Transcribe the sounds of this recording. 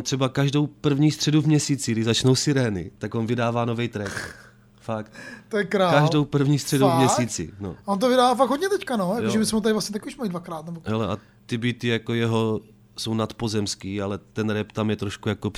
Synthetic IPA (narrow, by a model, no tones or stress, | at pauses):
ont̪r̥ɛbakaʒdo̞wpr̩vɲiːst̪r̥ɛduvmɲɛsiːt͡sɪɡdɪʒzat͡ʃno̞wsɪɾɛːnɪ̰t̪aɡonvɪdaːvaːnovɛjt̪ɾɛk | fakt̪t̪ojɛkɾaːkaʒdowpr̩vɲiːst̪r̥ɛduwvmɲɛsiːt͡sɪ̰no̰vont̪̬ovɪdaːvaːfakɡɦodɲɛt̪ɛckanojakjoʒɛmɪsmɛmot̪adɪvlasɲɛt̪akuʃmaidvakɾaːt̪nɛboɦɛlɛʔa̰ | t̪ɪbɪt̪ɪjakojɛɦo | sownat̪po̞zɛmskiːalɛt̪ɛnɾɛpt̪amjɛt̪ɾoʃkujakop